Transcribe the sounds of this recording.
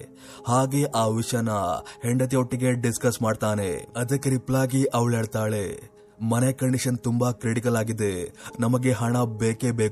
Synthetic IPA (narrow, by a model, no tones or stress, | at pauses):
haːɡe̞ːʔaːʋiʂjɐnɐheɳɖɐt̪ioʈːiɡe̞ɖiskɐsmaːɖt̪aːnḛɐd̪ɐkːɾiplaːɡiʔɐʋɭeːɭt̪aːɭe̞ | mɐnekɐɳɖiʂɐnt̪umbɐkɾeʈikɐlaːɡid̪enɐmɐɡe̞ɦɐɳɐbeːkeːbeː